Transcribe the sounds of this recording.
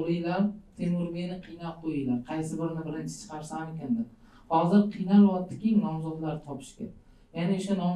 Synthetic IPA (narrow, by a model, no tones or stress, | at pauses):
ɾijlaɾt̪ʰemɪɾmenɪqʰijnaqojijlaɾqʰɑjsɪbɪɾnɪbɪɾɪnt͡ʃʰɪ̥t͡ʃʰɨ̥qʰɑɾsamekʲand̪ɪ | hɒzɪɾqʰɨjnalwɒt̪ʰːɪ̥kʲɪŋnɒmzɒd̪laɾt̪ʰɒpʰɪ̥ʃkʲa̰ | janaʊʃanɒm